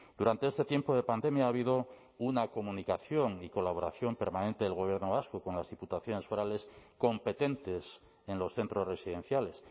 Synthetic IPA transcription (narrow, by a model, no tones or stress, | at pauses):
d̪̥uɾant̪e̞est̪e̞t̪jempoð̞e̞pand̪e̞mjaaβiðo̞ | unako̞mũnikaθjo̞ŋiko̞laβ̞o̞ɾaθjo̞mpe̞ɾmanẽnt̪eðe̞lɣo̞β̞je̞ɾnoβaskoko̞nlazðiput̪aθjo̞ne̞sfoɾale̞sko̞mpe̞t̪e̞nt̪e̞s | enlo̞sθe̞nt̪ɾo̞sre̞siðe̞n̟θjale̞s